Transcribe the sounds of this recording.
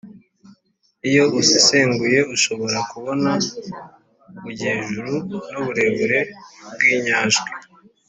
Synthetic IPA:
ijo̞ʔusiseːŋɡuje̞uʃo̞βo̞ɾakuβo̞na | βuɟeːʒuɾunuβuɾe̞βuɾe̞b̚ɡiːɲaːʒɡi

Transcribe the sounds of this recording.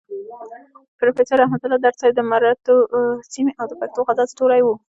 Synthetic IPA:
pɾofesəɾːɑhmat̪ʊlɑd̪aɾt͡sɑjd̪əmaɾat̪osimeʔawd̪əpak̚t̪oxazɑzʈoɾajwu

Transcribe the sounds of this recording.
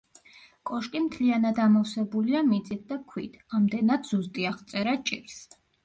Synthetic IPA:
kʼɔʃkʼimt̪ʰlianad̪amɔfsɛbuliamit̪sʼit̪̚d̪akʰwḭt̪ʰamd̪ɛnad̪zust̪ʼiaʁt̪sʼɛɾat͡ʃʼiɾs

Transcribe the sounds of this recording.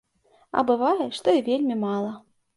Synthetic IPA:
ɐ̰bɨvajɛʂt̪ɔivʲelʲmʲimalˠɐ

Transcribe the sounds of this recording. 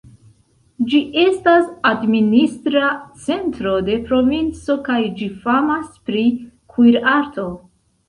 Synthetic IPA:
d͡ʒiʔe̞stasadministɾat͡se̞ntɾo̞de̞pɾo̞vint͡so̞kajd͡ʒifamaspɾikʰuiɾaɾto̞

